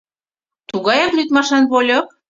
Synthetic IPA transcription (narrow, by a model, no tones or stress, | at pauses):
t̪uɣɑjɑklyt̪mɑʃɑnβolʲok̚